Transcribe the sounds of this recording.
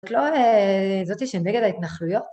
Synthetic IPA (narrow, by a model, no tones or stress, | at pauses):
t̪lo̞ezot̪iʃeneɡe̞d̪ait̪naχlujo̞t